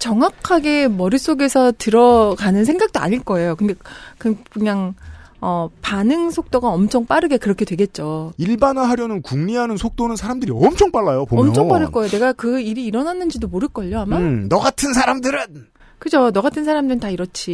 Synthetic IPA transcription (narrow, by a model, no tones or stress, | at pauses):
t͡ɕʌŋwakʰaɡe̞mʌɾis͈oɡe̞sʰʌtɯɾʌkanɯnsʰe̞ŋɡak̚t͈oa̰ɲiɭk͈ʌe̞jokɯnde̞kɯkɯɲaŋ | ʌpanɯŋsʰok̚t͈oɡaʌmt͡ɕʰʌŋp͈aɾɯɡe̞kɯɾʌkʰe̞dwe̞ɡe̞t̚t͡ɕ͈oiɭbanɯɦaɾjʌnɯnkuŋɲiɦanɯnsʰok̚t͈onɯnsʰaɾamdɯɾiʌmt͡ɕʰʌŋp͈aɭːajopoʌmt͡ɕʰʌŋp͈aɾɯɭk͈ʌejone̞ɡakɯiɾiːɾʌnanːɯnd͡ʑidomoɾɯɭk͈ʌʎːoɦamanʌɡatʰɯnsʰaɾamdɯɾɯn | kɯd͡ʑonʌɡatʰɯnsʰaɾamdɯɾɯntaiɾʌt͡ɕʰi